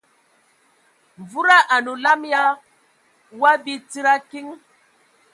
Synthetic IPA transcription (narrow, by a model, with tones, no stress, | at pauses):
ɱ˨vu˦ɾa˦ʔa˨nu˨la˦mja˦ | wa˦bi˦t͡si˦ɾa˦ki˦ŋ